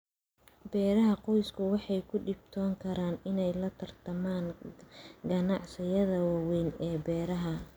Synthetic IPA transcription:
bɛːɾɐɦɐqɔjskʰʊwɑħɑjkʰʊɖɪb̚t̪ʰɔːŋkʰɐɾaːnɪnɛjlɐt̪ʰɐrt̪ʰɐmaːŋ | ɡɐnɑʕsɪjɐðɐwɑwɛjnɛːbɛːɾɐɦɐ

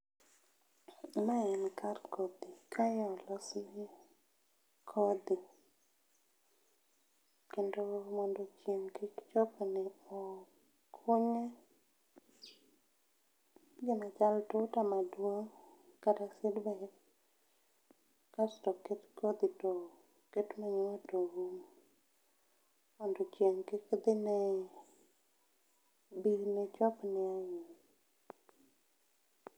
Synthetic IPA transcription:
maɛnkarkɔd̪ikʰajɔlɔsmɪ | kʰɔd̪i | kendomɔndot͡ʃimkɪkt͡ʃɔkanɪɔ | kʰʊɲe | ɡɪmat͡ʃaltʊtamadwoŋkatasɪdbɛ | kastɔketkod̪ɪto | ketmaɲɔatoɡu | ɔndɔt͡ʃjɛŋkeked̪ɪnɛ | binet͡ʃɔpnɪajɛ

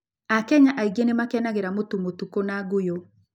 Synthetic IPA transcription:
akɛɲaʔaiɣenemakɛnaɣeɾamotumotukonaɣojo

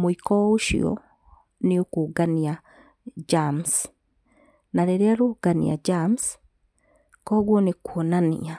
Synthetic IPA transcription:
muikowuʃḭo̰ | niokuɡania | ɟams | naɾeɾeaɾoɡ̥anḭa̰ɟamus | koɣwonikwonanḭa

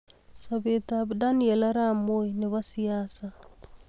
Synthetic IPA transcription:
saβetaβudanielaɾamoineβasiaːsa

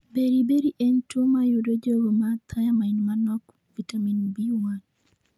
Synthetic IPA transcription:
beɾibeɾiʔentwomajʊdod͡ʒoɡomat̪ʰajamainmanɔk | vitaminbiwan

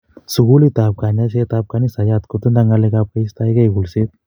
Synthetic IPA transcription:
suɡulit̪ap̚kanjas̬et̪ap̚kanisajat̪kot̪und̪aŋɡaleɡap̚kəist̪ajɡaɡulset̪̚

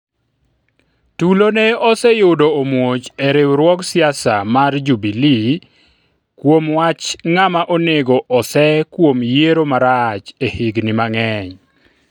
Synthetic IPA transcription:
tuloneɔsɛjʊdoomwot͡ʃeɾewɾwɔksɪasamard͡ʒubili | kwomwat͡ʃŋamaʔoneɡoʔɔsɛkwomjeɾomaɾat͡ʃehɪɡnɪmaŋɛɲ

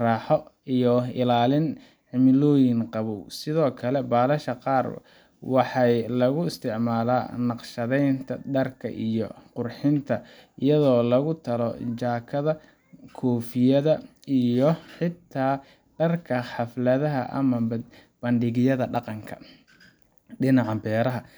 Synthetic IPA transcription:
rɑːħɔijɔɪlaːlɪn | ʕɪmɪlɔːjɪŋqɑβɔwsɪðɔːkʰɐlɛbaːlɐʃɐqɑːr | wɑħɑjlɐɣʊɪst̪ʰɪʕmaːla̰ːnɑqʃɐðɛjnt̪ʰɐd̪ɐrkʰɐ̰ʔijɔqʊrħɪnt̪ʰɐɪjɐðɔːlɐɣʊt̪ʰɐlɔ̰t͡ʃaːkʰɐðɐ | kʰɔːfɪjɐðɐijɔħɪt̪ʰːaː | ɖ̥ɐrkʰɐħɑflɐðɐɦɐʔɐ̰mɐbb̥ɐnɖɪɣɪjɐðɐɖɑqɑŋkʰɐ̥̰ | ɖɪnɑʕɑbɛːɾɐɦɐ

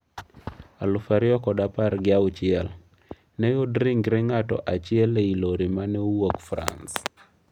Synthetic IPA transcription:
alufaɾɪɔkɔdapaɾɡɪaʊt͡ʃɪɛl | nɛjodɾiŋɡɾɛŋatɔ̰ʔat͡ʃɪɛleiloɾimanɛuwokfɾa̰ns

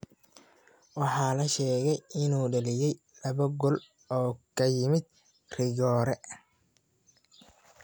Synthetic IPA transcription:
wɑħɑːlɐʃɛːɣɛjɪnuːɖɐlɪjɛj | lɐβɐɡɔl | ɔːkʰɐjɪmɪd̪̚ | rɪɣɔːɾɛ

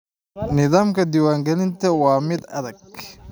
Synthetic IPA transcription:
nɪðaːmkʰɐd̪iːwaːŋɡɛlɪnt̪ʰɐwɑːmɪd̪ɐ̰ðɐɡ̚

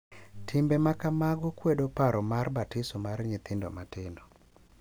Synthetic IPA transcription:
tʰɪmbemakamaɡɔkwedopaɾɔmarbatɪsomarɲɪt̪ɪndo̰matɪnɔ

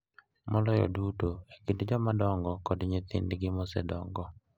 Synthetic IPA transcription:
mʔɔlɔjɔ̰dutoekindd͡ʒɔmadɔŋɡɔkɔdɲet̪ḭndɡɪmɔsɛ̰dɔŋɡɔ

